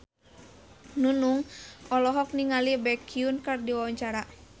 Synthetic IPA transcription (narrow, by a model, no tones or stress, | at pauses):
nunuŋɔlɔɦɔk̚niŋalibɛkʰiunkardiwawaɲt͡ʃaɾa